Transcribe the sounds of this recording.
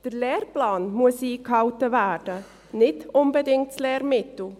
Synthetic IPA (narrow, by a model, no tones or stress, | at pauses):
d̥əɾlɛːrplaːnmuəsiːkhɑʊtəvæːɾd̥ə | nɪtʊnbədɪŋtslɛːɾmɪtl̩